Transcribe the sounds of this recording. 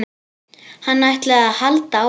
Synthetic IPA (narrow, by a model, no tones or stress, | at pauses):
hanːajht̪lɛɣaðhalt̪a